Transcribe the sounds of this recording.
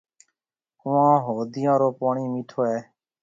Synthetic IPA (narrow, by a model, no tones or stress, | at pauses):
ʊãːɦoːd̪ɪjãːɾoːpaːɳiːmiʈʰoːɛː